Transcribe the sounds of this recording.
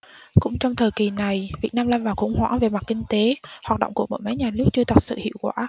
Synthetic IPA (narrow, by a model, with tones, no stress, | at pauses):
kʊ̰˧˥ŋ͡mt͡ɕɔ˧wŋ͡mt̪ʰəː˨˩jki˨˩na˨˩jvi˨˩ət̚naː˧mlaː˧nvaː˨˩wxʊ˧˩ŋ͡mhwa̰ː˧˥ŋve˨˩ma˨˩t̚ki˧ŋ̟t̪e˨˦hwaː˨˩t̚ɗə̰˧˨ŋ͡mku˧˩əmo̰˧˥˦jma˨˦jɲaː˨˩nɨ˦˥ək̚t͡ɕɨ˧ət̪ə˨˩t̚sɨ̰˧˨hḭ˧˨əwkwaː˧˩